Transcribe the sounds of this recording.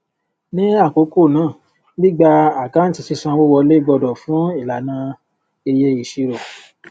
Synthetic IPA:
nĩ˨˦a˦˨ko˨˦ko˦˨nãː˦˨ | nĩ˦˨ɡ͡ba˧a˨ɡa˦n̩˦ti˧si˧sã˧wo˦wɔ˧le˦ɡ͡bɔ˧dɔ˨fũ˨˦i˦˨la˨nã˧ | e˧je˧i˨ʃi˧ɾo˨

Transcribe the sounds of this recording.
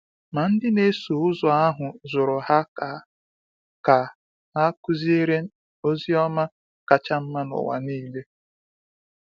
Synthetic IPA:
ma˨n̩˦dɪ˦ne˦so˨ʊ˦zɔ˨a˦ɦʊ˨zʊ˨ɾʊ˨ɦa˦ka˨ | ka˨ | a˦kʊ˦zi˦e˦ɾe˦ | o˦zi˦ɔ˦ma˦ | ka˨t͡ʃa˦m̩˦ma˦nʊ̰˨wa̰˨niː˦le˦

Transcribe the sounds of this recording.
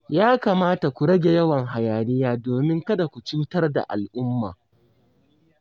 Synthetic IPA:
jaː˦kaː˨maː˦ta˨kʷu˨ɽɐ˦ɡʲe˨jɐ˦wɐ˨ŋɦa˨jaː˨lɪ˦jaː˦doː˨mɪ˦ŋkɐ˦da˨kʷu˨t͡ʃɪ˦tɐ˦rda̰˨ʔa̰˨lʔʊ˦mːa̰ː˨

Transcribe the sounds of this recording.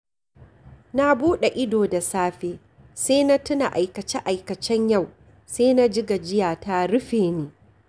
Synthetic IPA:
na˦buː˦ɗe˨ʔɪ˦doː˨da˨saː˦ɸeː˦ | seː˦na˦tʊ˦na˨ʔa˨jkɐ˨t͡ʃɛ˦ʔa˨jkɐ˨t͡ʃɛ˦ɲja˦˨w | seː˦na˦d͡ʒɪ˦ɡa˨d͡ʒɪ˦jaː˨ta˦ɽʊ˦ɸeː˨neː˦

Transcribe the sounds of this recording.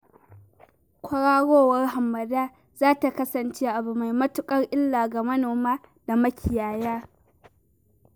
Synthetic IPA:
kʷɐ˦ɽaː˦ɽoː˦wɐ˦rɦa˨mːɐ˨daː˦ | z̥aː˦ta˨kɐ˦sɐ˨nt͡ʃeː˦ʔa˨bu˨ma˨jmɐ˦tʊ˦kʼɐ˦rʔɪ˦lːaː˨ɡa˨mɐ˦noː˨maː˦ | da˨mɐ˦kʲʰɪ˨jaː˨jaː˦

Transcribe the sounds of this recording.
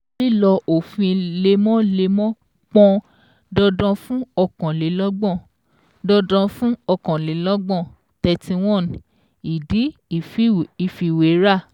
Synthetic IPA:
li˦˨lɔ˧ʔo˨fĩ˧le˧mɔ̃˦le˧mɔ̃˦ | k͡pɔ̃˧ | dɔ˧dɔ̃˧fũ˦ɔ˧kɔ̃˨le˨˦lɔ˦ɡ͡bɔ̃˦˨ | dɔ˧dɔ̃˧fũ˦ɔ˧kã˨le˨˦lɔ˦ɡ͡bɔ̃˦˨ | tɛ˧tĩ˧w̃ɔ̃˦˨n˨ | i˨di˨˦˨fi˨fi˧we˨˦ɾa˦˨

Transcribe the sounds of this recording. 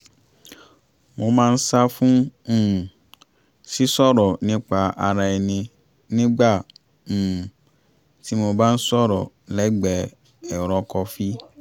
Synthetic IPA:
mo˧mãː˦˧n̩˦sa˦fũ˦˨ | si˦sɔ˦ɾɔ˨nĩ˦k͡pa˧a˨ɾa˨˧ɛ˨nĩ˧ | nĩ˦ɡ͡bã˦˨ | ti˦mo˧ba˦n̩˦sɔ˦ɾɔ˨ | lɛ˨˦ɡ͡bɛ˨ | ɛ˨ɾɔ˨kɔ˧fi˦

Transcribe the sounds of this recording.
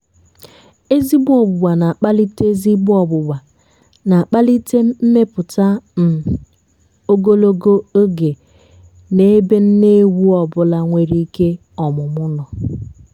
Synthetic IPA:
e˦zi˦bʊ˦ɔ˨bʊ˨ɡ͡ba˨na˨a˨k͡pa˦li˦te˦zi˦bʊ˦ɔ˨bʊ˨ɡ͡ba˨ | na˨a˨k͡pa˦li˦te˦m̩˦me˦pʊ˨ta˦m̩˨ | o˦ɡo˦lo˦ɡo˦o˦ɡe˨ | ne˦be˦n̩˦ne˦wu˦ɔ˨bʊ˦la˦ŋʷe˨ɾi˦i˦ke˦ | ɔ˨mʊ˨mʊ˦nɔ˨

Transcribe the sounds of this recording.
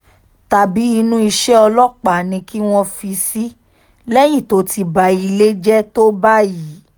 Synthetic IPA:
ta˧bi˨˦i˧nũ˦i˧ʃɛ˦ɔ˧lɔ˦k͡pa˨nĩ˧ki˦w̃ɔ̃˧fi˧si˦ | lɛ˦jĩ˦˨to˨˦tʰi˧ba˨˦i˧le˦d͡ʒɛ˦to˦ba˦ji˨˦

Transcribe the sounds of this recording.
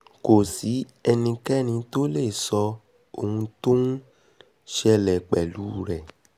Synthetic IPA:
ko˨si˨˦ | ɛ˧nĩ˧kɛ˦˨nĩ˧to˦le˦˨sɔ˧ | o˧hũ˧to˦n˦ | ʃɛ˧lɛ˨k͡pɛ˨lu˨˦ɾɛ˨

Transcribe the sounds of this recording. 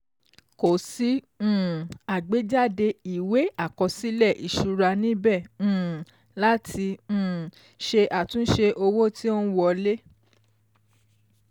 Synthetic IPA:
ko˨sĩ˨˦˨ | a˨ɡ͡be˨˦d͡ʒa˦˨de˧i˨we˨˦a˦˨kɔ˧si˦lɛ˦˨ʔi˨ʃu˧ɾa˧nĩ˦bɛ̃˦˨˦ | la˦tʰĩ˧˨ | ʃe˧ʔa˨tũ˨˦ʃe˧ʔo˧wo˦ti˦o˦n̩˦wɔ˧le˦

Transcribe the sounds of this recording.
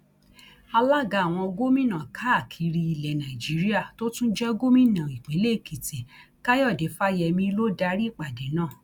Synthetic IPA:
a˧la˦ɡa˧˨w̃ɔ̃˧o˧ɡo˦mĩ˦nã˨kʰa˦a˦˨kʰi˨˧ɾi˧i˧lɛ˨nã˨i˨d͡ʒi˨˦ɾi˦a˦˨to˦tũ˦d͡ʒɛ˦ɡo˦mĩ˦nã˨i˨k͡pẽ˨˦le˦˨ki˨ti˨ | ka˦jɔ˦˨de˨˦fa˦jɛ˧mĩ˧˦lo˦da˧˦ɾi˦˨k͡pa˨de˨˦nãː˦˨

